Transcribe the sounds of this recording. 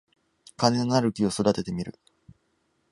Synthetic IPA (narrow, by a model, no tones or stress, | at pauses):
kane̞nonaɾɯ̟kʲio̞so̞d̪at̪e̞t̪e̞mʲiɾɯ̟̰